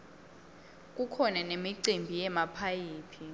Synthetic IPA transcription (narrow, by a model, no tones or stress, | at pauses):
k̬ʼukʰɔnanemiǀimbʱijɛmapʰajiːpʰi